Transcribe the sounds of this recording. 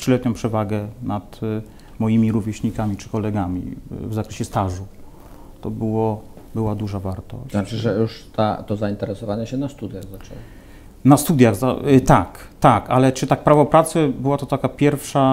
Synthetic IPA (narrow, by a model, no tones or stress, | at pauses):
tʂɘlɛt̪ɲɔ̃pʂɛvaɡɛnat̪ | mɔjimʲiɾuvʲjɛɕɲikamʲit͡ʂɘ̥kɔlɛɡamʲḭvzakɾɛɕɛst̪aʐu | t̪ɔbɘwɔbɘwad̪uʐavaɾt̪ɔ̰znat͡ʂɘʐɛjuʂt̪a̰t̪ɔzaint̪ɛɾɛsɔvaɲɛɕɛnast̪ud̪ʲjaɣzat͡ʂɛ̰w | nast̪ud̪ʲjaɣzat̪ak | t̪akalɛt͡ʂɘt̪ak̚pɾavɔpɾat̪sɛbɘwat̪ɔt̪akapʲjɛɾfʂa